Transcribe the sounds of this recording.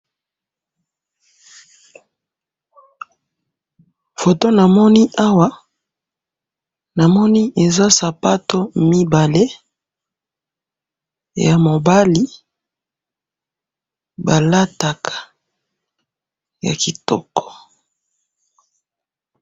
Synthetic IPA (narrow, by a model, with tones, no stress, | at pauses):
fo˨to˦na˨mɔ˦ni˦ʔa˦wa˦ | na˨mɔ˦ni˦ʔe˨za˦sa˨pa˦to˦mi˦ba˨le˦ | ja˨mo˨ba˦li˦ | ba˨la˦ta˨kʰḁ˨ | ja̰˨ki˨tɔ˦kɔ̥˨